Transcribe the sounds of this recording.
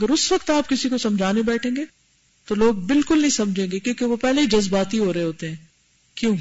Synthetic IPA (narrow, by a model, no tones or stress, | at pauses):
ɐɡəɾʊsʋɐkt̪aːp̚kɪsikosɐmd͡ʒʱaːnebɛːʈʰẽːŋɡeː | t̪oloːɡ̚bɪlkʊlnɐɦĩsɐmd͡ʒʱẽːŋɡekjõːkeʋopɛɦleid͡ʒɐzbaːt̪iɦoːɾɐɦeɦoːt̪eɦɛ̃ː | kjũː